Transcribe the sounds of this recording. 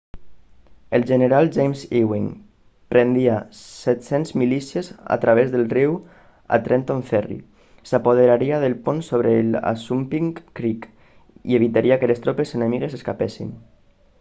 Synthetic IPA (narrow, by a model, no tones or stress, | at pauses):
əlʒəneɾalˠʒejmziwiŋ | pɾend̪iasɛt̪senzmilisieza̰t̪ɾʔaβ̞ezðəlˠriw | a̰t̪ɾent̪oɱfɛrḭ | sapoð̞eɾaɾiaðelponsoβ̞ɾəla̰sumpiŋkɾik | ieβit̪aɾiakəlest̪ɾopesənemiɣ̞eseskapesḭn